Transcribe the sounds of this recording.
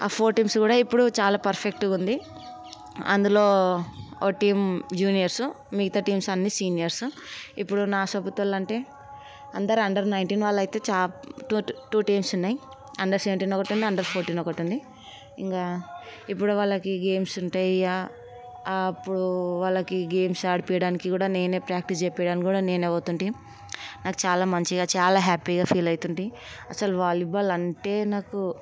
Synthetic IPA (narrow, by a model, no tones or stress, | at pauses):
a̰ːpʰoːɾʈiːmsɡuːɽaːipːuɽut͡ʃaːlaːpɐɾpʰek̚ʈuɡund̪i | ɐ̰nd̪uloː | oːʈiːmd͡ʒuːnijɐɾsu | miɡit̪aʈiːmsɐnːisiːnijɐɾsuipːuɽunaːsɐbut̪ʋɐlɐɳʈe̞ː | ɐnd̪ɐɾɐɳɖɐɾnɐjɳʈinʋaːɭːɐjit̪e̞ːt͡ʃaːʈuʈuːʈijmsunːaːji | ɐ̰ɳɖɐɾseʋɐɳʈiːnɔkɐʈund̪iɐɳɖɐɾpʰoːɾʈiːnɔkɐʈund̪i | ḭŋkaːip̬ːuɽuʋaːlːɐkiɡe̞ːmsuɳʈaːjia | pːuɽuʋaːlːɐkiɡe̞ːmsaːɽipijɐɽaːnikikuːɽaːne̞ːne̞ːpɾaːk̚ʈisd͡ʒɛpːɛːɽaːnkɡuːɽaːne̞ːneːʋoːt̪uɳɖi | naːkut͡ʃaːlaːmɐɲt͡ʃiɡaːt͡ʃaːlaːɦaːpiɡaːpʰiːlɐjit̪uɳɖi | ɐsɐluʋaːlibɐlɐɳʈe̞ːnaːku